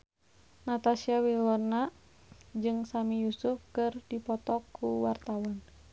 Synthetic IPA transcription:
nat̪asiawilɔna | d͡ʒɨŋsamijusufkɨrdipɔt̪ɔkʰːuwart̪awan

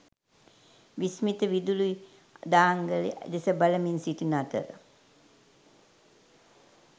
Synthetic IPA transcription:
ʋismit̪əʋid̪ului | d̪aːŋɡəlḭd̪esəbaləminsiʈinat̪əɾə̰

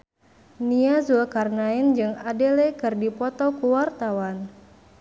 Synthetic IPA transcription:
niazuakarnaind͡ʒɨŋadelɛkɨrdipɔt̪ɔkuwart̪awan

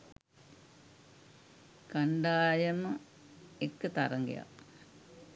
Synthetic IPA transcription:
kaɳɖaːjɐmə | ekːət̪aɾɐŋɡḛja̰

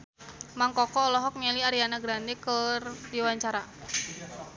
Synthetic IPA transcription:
maŋkɔkɔːlɔɦɔk̚nɛliaɾianaɡɾandɛkərdiwaɲt͡ʃaɾa

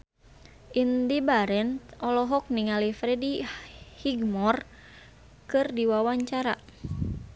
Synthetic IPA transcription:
ʔindibaɾɛnɔlɔɦɔk̚niŋalifɾɛdihiɡmɔr | kɨrdiwawaɲt͡ʃaɾa̰

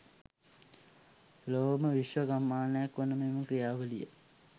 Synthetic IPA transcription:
loːməʋiʃʋəɡamːaːnəjakʋonəmeməkɾijaːʋəlijə̰

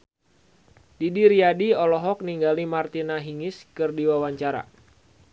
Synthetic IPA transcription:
didiɾiadiɔlɔɦɔk̚niŋɡalimart̪inaɦiŋɪskɨrdiwawaɲt͡ʃaɾa̰

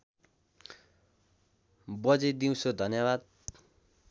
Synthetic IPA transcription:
bʌd͡zed̪iw̃sod̪ʱʌnjʌbad̪̚

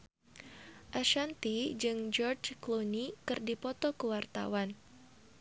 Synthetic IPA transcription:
ʔaʃant̪id͡ʒɨŋd͡ʒɔrd͡ʒklonikɨrdipɔt̪ɔkəwart̪a̰wan

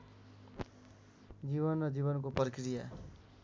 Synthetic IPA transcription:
d͡ziβʌnrʌd͡ziβʌnkoprikrija

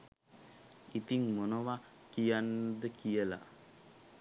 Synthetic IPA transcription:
it̪iŋmonəʋa | kijanːəd̪əkijəla̰

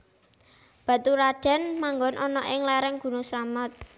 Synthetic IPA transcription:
b̥ä̤t̪uɾaɖ̥ɛ̤nmaŋɡɔnʔɔnɔʔɪŋlɛɾɛŋɡ̥ṳnusɾamət̪̚

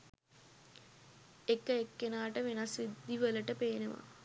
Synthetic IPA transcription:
ekəekːenaːʈəʋenɐsid̪iʋələʈəpeːneʋa̰

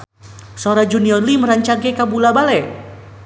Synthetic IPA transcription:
sɔɾad͡ʒuniɔrliməɾaɲt͡ʃaɡɛkabulabalɛ

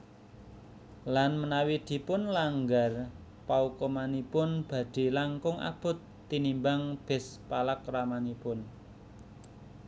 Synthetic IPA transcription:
lanmənawid̪̥i̤pʊnlaŋɡar | paukɔmanipʊnb̥ä̤d̪̥i̤laŋkʊŋa̰b̥ʊ̤t̪ːinimbaŋb̥ɛ̤spalakramanipʊn

